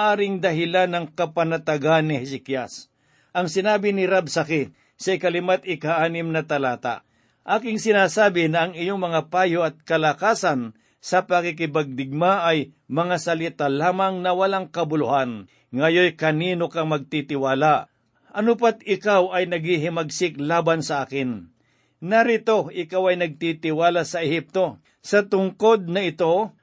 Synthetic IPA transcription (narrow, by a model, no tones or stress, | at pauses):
ʔaːɾɪŋd̪ɐɦɪlanːɐŋkɐpɐnɐt̪ɐɡanːɪhɪsɪkjas | ʔɐŋsɪnaːbɪnɪɾabsɐkɪ | sɐɪkɐlɪmat̪ɪkaʔaːnɪmnɐt̪ɐlaːt̪a̰ | ʔaːkɪŋsɪnaːsaːbɪnɐːŋɪjoŋmɐŋapaːjoɐt̪̚kɐlɐkaːsɐn | sɐpɐkɪk̬ɪbaɡ̚d̪ɪɡ̚maʔːj | mɐŋasɐlit̪alaːmaŋnɐwɐlaŋkɐbʊlʊhan | ŋɐjojkɐniːnokɐŋmɐɡ̚t̪it̪ɪwaːla | ʔɐnʊp̬at̪̚ɪkawɐjnɐɡhiɦɪmɐɡsɪklaːbansɐʔaːkɪn | nɐɾɪt̪o̞ʔɪkawɐjnɐɡ̚t̪it̪ɪwaːlasɐɛhɪp̚t̪o̞ | sɐt̪ʊŋko̞d̪̚nɐɪt̪o̞